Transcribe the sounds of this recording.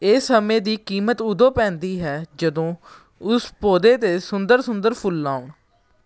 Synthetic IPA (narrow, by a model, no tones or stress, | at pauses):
eːsəmẽːd̪iːkiːmət̪ʊd̪õːpɛ̃ːnd̪iːɦɛːd͡ʒəd̪õː | ʊspoːd̪eːt̪eːsʊnd̪əɾsʊnd̪əɾpʰʊlːaːʊɳ